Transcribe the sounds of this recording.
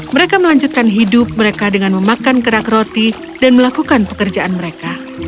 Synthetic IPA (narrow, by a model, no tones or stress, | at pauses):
məɾekaməlaɲd͡ʒut̪̚kanɦidʊp̚məɾekadəŋanməmakankəɾakrot̪i | danməlakukanpə̥kərd͡ʒaʔanməɾeka